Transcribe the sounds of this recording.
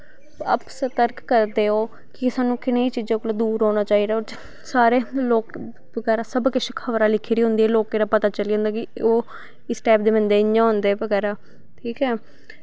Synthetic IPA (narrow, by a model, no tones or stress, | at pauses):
ə̰psət̪əɾkːəɾd̪eːoː | kɪsaːnũːkɪneiːt͡ʃiːd͡ʒãːkoːlad̪uːɾɦoːñaːt͡ʃaːiːd̪aːoːɾ | saːɾeːloːk | bəɡɛːɾaːsəbkɪʃekʰəʋɾaːlɪkʰːiːɾiːɦʊ̃nd̪iːɛːloːkeːɾaːpət̪aːt͡ʃəliːõːnd̪aːkɪoː | ɪsʈɛːpd̪eːmənd̪eːɪɲːãːɦʊnd̪eːʋəɡɛːɾaː | ʈʰiːkɛː